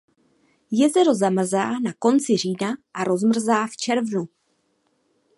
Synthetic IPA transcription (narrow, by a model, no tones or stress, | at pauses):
jɛzɛɾo̞zamr̩zaːnako̞nt͡sɪr̝iːnaʔaɾo̞zmr̩zaːft͡ʃɛɾvnu